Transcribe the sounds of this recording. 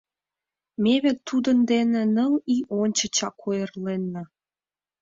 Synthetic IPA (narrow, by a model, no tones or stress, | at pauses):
meβet̪ːud̪ənd̪enĕnəliʔonʲt͡ɕə̆t͡ɕɑkʰojərlenːɑ